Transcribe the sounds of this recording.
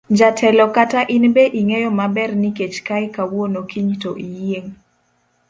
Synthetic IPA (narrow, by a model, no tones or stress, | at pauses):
d͡ʒatʰɛlɔkataʔɪnbeʔiŋejɔmabɛrniket͡ʃkaɪkawwonokiɲtoʔijeŋ